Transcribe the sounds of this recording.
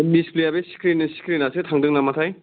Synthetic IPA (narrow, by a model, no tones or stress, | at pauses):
misplijabesi̥kɾinsi̥kɾinasɯtʰaŋdɯŋnamatʰaj